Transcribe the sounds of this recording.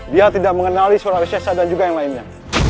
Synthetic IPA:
diat̪idak̚məŋənalisaɾawisasadand͡ʒuɡajaŋlainɲa

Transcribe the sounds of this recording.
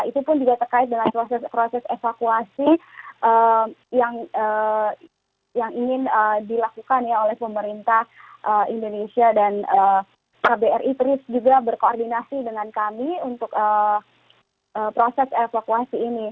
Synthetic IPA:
ait̪upʊnd͡ʒuɡat̪ərkaɪt̪̚dəŋanpɾosɛspɾosɛsefakuasiʔəjaŋə | jaŋiŋɪnədilakukanjaolɛhpəməɾint̪ahʔəindonesiadanə | kabeɛrʔit̪əɾɪsd͡ʒuɡabərkoordinasidəŋankamiunt̪ʊkə | ʔəːpɾosɛsefakuasiːni

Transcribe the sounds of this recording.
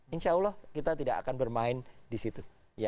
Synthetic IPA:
inʃaulɔhkit̪at̪idaka̰kanbərmaɪndisit̪u | ja

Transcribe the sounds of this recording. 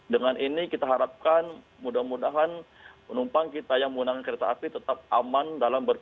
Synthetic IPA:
dəŋanʔinikit̪aɦaɾap̚kan | mudahmudaɦan | pənumpaŋkit̪ajaŋməŋunakankəɾet̪aapit̪ət̪ap̚amandalambər

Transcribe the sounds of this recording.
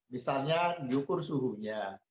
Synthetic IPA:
misalɲajukʊrsuɦuɲa

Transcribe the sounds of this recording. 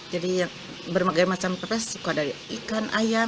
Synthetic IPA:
d͡ʒadijaŋ | bərmaɡamat͡ʃampepɛsːukadaɾiikanʔaja

